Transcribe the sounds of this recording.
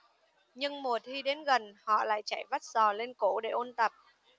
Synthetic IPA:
ɲɨ˧ŋmo˨˩ət̚t̪ʰi˧ɗe˨˦nɣə˨˩nhɔ̰˧˨la̰ː˧˨jt͡ɕa˧˩jva˦˥t̚z̥ɔ˨˩le˧nko̰˧˥ɗe˧˩ʔo˧nt̪ə˨˩p̚

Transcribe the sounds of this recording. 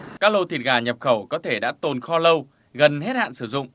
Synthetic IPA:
kaː˦˥k̚lo˧t̪ʰi˨˩t̚ɣaː˨˩ɲə˨˩p̚xə˧˩wkɔ˨˦t̪ʰe˧˩ɗa̰ː˧˥t̪o˨˩nxɔ˧lə˧w | ɣə˨˩nɦe˦˥t̚ha̰ː˧˨nsɨ˧˩zʊ̰˧˨ŋ͡m

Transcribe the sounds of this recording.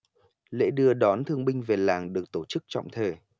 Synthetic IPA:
lḛ˧˥ɗɨ˧əɗɔ˨˦nt̪ʰɨ˧əŋɓï˧ŋ̟ve˨˩laː˨˩ŋɗɨ˨˩ək̚t̪o˧˩t͡ɕɨ˦˥k̚t͡ɕɔ̰˧˨wŋ͡mt̪ʰəː˨˩

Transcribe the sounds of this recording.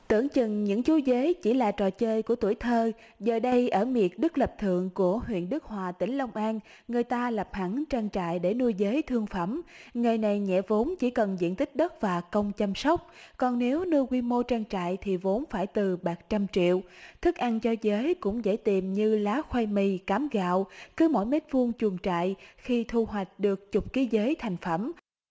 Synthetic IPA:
t̪ɨ̰˧˩əŋt͡ɕɨ˨˩ŋɲɨ̰˧˥ŋt͡ɕu˨˦zə˨˦jt͡ɕi˧˩laː˨˩t͡ɕɔ˨˩t͡ɕəː˧jku˧˩ət̪u˧˩əjt̪ʰəː˧˩ | zəː˨˩ɗə˧jʔəː˧˩mi˨˩ət̚ɗɨ˦˥k̚lə˨˩p̚t̪ʰɨ̰˧˨əŋku˧˩əhwḭ˧˨ənɗɨ˦˥k̚hwaː˨˩t̪ï˧˩ŋ̟lə˧wŋ͡mʔaː˧n | ŋɨ˨˩əjt̪aː˧la˨˩p̚ha˧˩ŋt͡ɕaː˧ŋt͡ɕa̰ː˧˨jɗe˧˩nu˧əjzəː˨˦jt̪ʰɨ˧əŋfə˧˩mŋɨ˨˩jna˨˩jɲɛ̰˧˨vo˨˦nt͡ɕi˧˩kə˨˩nzḭ˧˨ənt̪ï˦˥k̚ɗə˦˥t̚vaː˨˩kə˧wŋ͡mt͡ɕə˧msə˦˥wk͡p̚kɔ˨˩nːe˨˦wnɨ˧kwi˧mo˧t͡ɕaː˧ŋt͡ɕa̰ː˧˨jt̪ʰi˨˩vo˨˦nfaː˧˩jt̪ɨ˨˩ɓaː˨˩t͡ɕa˧mt͡ɕḭ˧˨əwt̪ʰɨ˦˥k̚ʔa˧nt͡ɕɔ˧zəː˨˦jkʊ̰˧˥ŋ͡mzə̰˧˥jt̪i˨˩mɲɨ˧laː˨˦xwa˧jmi˧˩kaː˨˦mɣa̰ː˧˨wkɨ˨˦mo̰˧˥˨jme˦˥t̚fɨ˧əŋt͡ɕu˨˩əŋt͡ɕa̰ː˧˨jxi˧t̪ʰu˧ɦwa˨˩jk̟̚ɗɨ˨˩ək̚t͡ɕʊ˨˩k͡p̚ki˨˦zəː˨˦jt̪ʰa˨˩jŋ̟fə˧˩m

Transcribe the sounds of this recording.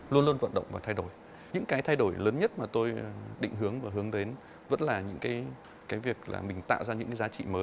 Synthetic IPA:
lu˧ənlu˧ənvə̰˧˨nɗə̰˧˨wŋ͡mvaː˨˩t̪ʰa˧jɗo˧˩j | ɲɨ̰˧˥ŋkaː˨˦jt̪ʰa˧jɗo˧˩jləː˨˦nɲə˦˥t̚maː˨˩t̪o˧jɗḭ̈˧˨ŋɦɨ˨˦əŋvaː˨˩ɦɨ˨˦əŋɗe˨˦n | və̰˧˥nlaː˨˩ɲɨ̰˧˥ŋkaː˨˦j | kaː˨˦jvi˨˩ək̚la̰ː˨˩mï˨˩ŋ̟t̪a̰ː˧˨wzaː˧ɲɨ̰˧˥ŋkaː˨˦jzaː˨˦t͡ɕḭ˧˨məː˨˦j

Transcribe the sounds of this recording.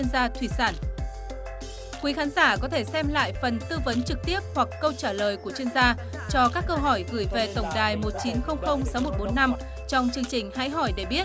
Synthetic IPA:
i˧ənzaː˧t̪ʰwi˧˩saː˧˩n | kwi˨˦xaː˨˦nzaː˧˩kɔ˨˦t̪ʰe˧˩sɛ˧mla̰ː˧˨jfə˨˩nt̪ɨ˧və˨˦nt͡ɕɨ˨˩k̚t̪i˦˥əp̚hwa˨˩kːə˧wt͡ɕaː˧˩ləː˨˩jku˧˩ət͡ɕɥi˧ənzaː˧ | t͡ɕɔ˧kaː˦˥kːə˧wɦɔ˧˩jɣɨ˧˩jve˨˩t̪ə˧˩wŋ͡mɗaː˨˩jmo˨˩t̚t͡ɕi˨˦nxə˧wŋ͡mxə˧wŋ͡msa˨˦wmo˨˩t̚ɓo˨˦nːa˧m | t͡ɕɔ˧wŋ͡mt͡ɕɨ˧əŋt͡ɕï˨˩ŋ̟ha̰ː˧˥jɦɔ˧˩jɗe˧˩ɓi˦˥ət̚

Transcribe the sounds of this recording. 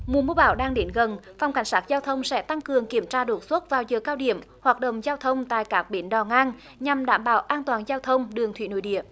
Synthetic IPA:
mu˨˩əmu˧əɓaː˧˩wɗaː˧ŋɗe˨˦nɣə˨˩nfa˨˧wŋ͡mka˧˩ŋ̟saː˦˥k̚zaː˧wt̪ʰə˧wŋ͡msɛ̰˧˥t̪a˧ŋkɨ˨˩əŋki˧˩əmt͡ɕaː˧ɗo˨˩t̚swə˦˥t̚vaː˨˩wzəː˨˩kaː˧wɗḭ˧˩˨əmhwaː˨˩t̚ɗə̰˧˨wŋ͡mzaː˧wt̪ʰə˧wŋ͡mt̪a̰ː˧˨jkaː˦˥k̚ɓe˨˦nɗɔ˨˩ŋaː˧n | ɲa˨˩mɗa̰ː˧˩mɓaː˧˩wʔaː˧nt̪waː˨˩nzaː˧wt̪ʰə˧wŋ͡mɗɨ˨˩əŋt̪ʰwḭ˧˨˦no̰˧˦jɗḭ˧˨əm

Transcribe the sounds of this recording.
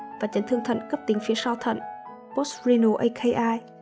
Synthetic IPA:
vaː˨˩t͡ɕə˨˦ŋ̟t̪ʰɨ˧ŋt̪ʰə̰˧˨nkə˦˥p̚t̪i˨˦ŋ̟fi˨˦əsaː˧wt̪ʰə̰˧˨n | po˦˥szi˧no˧ʔə˧kʰe˧ʔaː˧j

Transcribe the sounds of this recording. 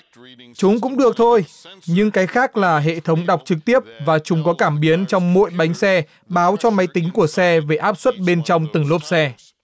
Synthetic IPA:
t͡ɕʊ˨˦ŋ͡mk̬ʊ̰˧˥ŋ͡mɗɨ˨˩ək̚t̪ʰo˧jɲɨ˧ŋkaː˨˦jxaː˦˥k̚laː˨˩ɦḛ˧˨t̪ʰə˨˦wŋ͡mɗa˨˩wk͡p̚t͡ɕɨ˨˩k̚t̪i˦˥əp̚vaː˨˩t͡ɕʊ˨˦ŋ͡mkɔ˨˦kaː˧˩mɓi˨˦ənt͡ɕɔ˧wŋ͡mmo̰˧˨jɓa˨˦jŋ̟sɛ˧ | ɓaː˨˦wt͡ɕɔ˧ma˨˦jt̪ï˨˦ŋ̟ku˧˩əsɛ˧ve˧˩ʔaː˦˥p̚swə˦˥t̚ɓe˧nt͡ɕɔ˧wŋ͡mt̪ɨ˧˩ŋlo˦˥p̚sɛ˧

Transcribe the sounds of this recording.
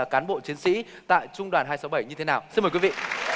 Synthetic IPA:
kaː˨˦nɓo̰˧˨t͡ɕi˨˦ənsḭ˧˥ | t̪a̰ː˧˨jt͡ɕʊ˧ŋ͡mɗwaː˨˩nɦaː˧jsa˨˦wɓə˧˩jɲɨ˧t̪ʰe˨˦naː˨˩wsi˧nməː˨˩jkwi˨˦vḭ˧˨

